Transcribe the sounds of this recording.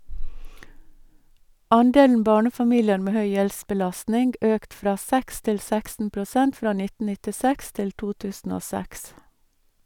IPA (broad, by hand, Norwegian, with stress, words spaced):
ˈɑnˌdeːln̩ ˈbɑːɳəfɑˌmiːlɪəɾ ˈmeː ˈhœʏ ˈjɛlsbəˌlɑsnɪŋɡ ˈøːkt ˈfɾɑː ˈsɛks ˈtɪl ˈsɛksn̩ pɾʊˈsɛnt ˈfɾɑː ˈnɪtn̩ nɪtɪˈsɛks ˈtɪl ˈtuː ˈtʉːsn̩ ˈoː ˈsɛks